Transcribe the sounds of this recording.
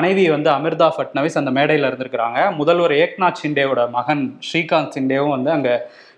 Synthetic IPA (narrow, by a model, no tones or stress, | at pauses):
ɐnɐɪʋiʋɐnd̪ɯɐmɪɾd̪aːfɐʈ̚nɐʋɪsɐnd̪ɐmeːɽɐjɪlɪɾɯnd̪ɯɾɯkːɪɾaːŋɡɐmʊðɐlʋɔɾeːk̚naːʈt͡ʃɪɳɖeːʋɯɽɐmɐɣɐnʂɾiːkaːnsɪɳɖeːʋɯ̃ʋɐnd̪ɯɐŋɡɐ